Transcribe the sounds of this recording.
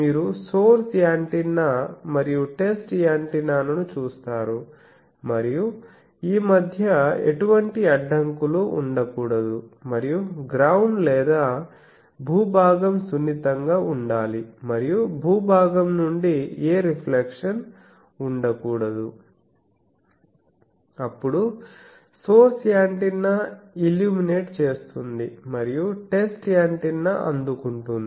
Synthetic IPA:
miːɾusoːɾsjaːɳʈinːɐmɐɾijuʈe̞sʈjaːɳʈinaːnɐnut͡ʃuːst̪aːɾu | mɐɾiju | iːmɐd̪ʱjɐḛʈuʋɐɳʈiɐɖːɐŋkuluʔṵɳɖɐkuːɽɐd̪umɐɾijuɡɾawɳɖlɛːd̪aː | bʱuːbʱaːɡɐmsunːit̪ɐŋɡaːuɳɖaːlimɐɾijubʱuːbʱaːɡɐmnuɳɖieːɾipʰlekʂɐn | uɳɖɐkuːɽɐd̪u | ɐpːuɽu | soːsijaːɳʈinːɐiljuːmine̞ːʈt͡ʃe̞ːst̪und̪imɐɾijuʈe̞sʈjaːɳʈinːɐʔɐ̰nd̪ukuɳʈund̪ii

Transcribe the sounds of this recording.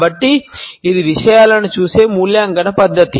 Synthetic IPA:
bɐʈːiid̪iʋiʂɐjaːlɐnut͡ʃuːse̞ːmuːljaːŋɡɐnɐpɐd̪ʱːɐt̪i

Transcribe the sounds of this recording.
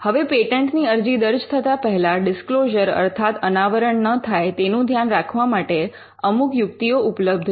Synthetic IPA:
həʋepeʈəɳʈniəɾd͡ʒid̪əɾd͡ʒt̪ʰət̪apəɦɛlaɖɪskloʒəɾə̰ɾt̪ʰat̪ənaʋəɾəɳnət̪ʰajt̪enũd̪ʱjanɾakʰʋamaʈe | əmukjukt̪ioʔʊpləb̚d̪ʱ

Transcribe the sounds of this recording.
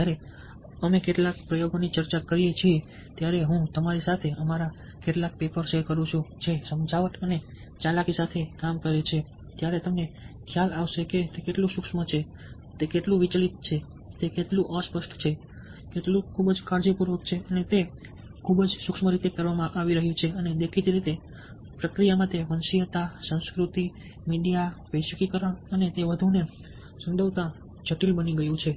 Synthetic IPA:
jaɾe | əmekeʈlakpɾəjoɡonit͡ʃəɾt͡ʃakəɾijet͡ʃʰie | t̪jaɾeɦũt̪əmaɾisat̪ʰeəmaɾa | keʈlak̚pepəɾʃekəɾũt͡ʃʰũd͡ʒesəmd͡ʒʱaʋəʈəne | t͡ʃalakisat̪ʰekamkəɾet͡ʃʰe | t̪jaɾet̪əmnekʰjalaʋʃeket̪ekeʈlũsukʃmət͡ʃʰe | t̪ekeʈlũʋit͡ʃlit̪̚t͡ʃʰe | t̪ekeʈlũʔəspəʃʈt͡ʃʰe | keʈlũkʰubəd͡ʒkaɾd͡ʒəpuɾʋək̚t͡ʃʰeʔənet̪e | kʰubəd͡ʒsukʃməɾit̪ekəɾʋamãʔaʋiɾəɦjũt͡ʃʰeəned̪ekʰit̪iɾit̪e | pɾəkɾijamãt̪eʋənʃijət̪asə̃w̃skɾut̪i | miɖijaʋəiʃəkikəɾaənet̪eʋəd̪ʱune | səmd̪ʱəʋt̪ã | d͡ʒʱəʈilbəniɡəjũt͡ʃʰe

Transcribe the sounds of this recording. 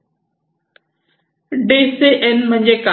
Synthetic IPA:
ɖeːseʔenmə̃ɲd͡ʑeːka

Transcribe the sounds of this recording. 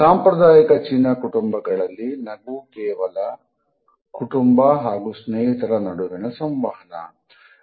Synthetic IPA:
saːmpɾɐd̪aːjikɐt͡ʃinːɐkuʈumbɐɡɐɭɐlːinɐɡukɛːʋɐlɐ | kuʈumbɐɦaːɡusneːɦit̪ɐɾɐnɐɽuʋinɐsɐmʋaːɦɐnɐ̰

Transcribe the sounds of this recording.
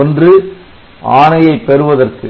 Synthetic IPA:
ɔndrɯ | ʔaːɳɐjɐɪpːɛɾɯʋɐðɐrkɯ

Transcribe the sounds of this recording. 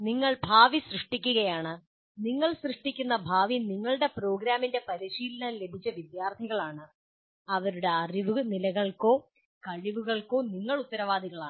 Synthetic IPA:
niŋːɐɭbʱaːʋisrɨʂʈikʲːuɣɐjaːɳɨ | niŋːɐɭsrɨʂʈikʲːunːɐbʱaːʋiniŋːɐɭɨɽe̞pro̞ːɡɾaːminde̞pɐɾiɕiːlɐnaːnle̞bʱit͡ɕːɐʋid̪jaːrt̪ʰiɣɐɭaːɳɨ | ɐʋɐɾuɽe̞ɐriʋunilɐɣɐɭko̞ː | kɐɻiʋuɣɐɭko̞ːniŋːɐɭut̪ːɐɾɐʋaːd̪iɣɐɭaːɳɨ

